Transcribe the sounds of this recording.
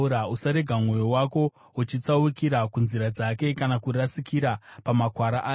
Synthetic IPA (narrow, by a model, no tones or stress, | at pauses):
uɾausaɾe̞ɡʱamŋwo̞jowako̞ | ut͡ʃit͡saukiɾakunziɾad͡zake̞kanakurasikiɾapamakwaɾaʔaː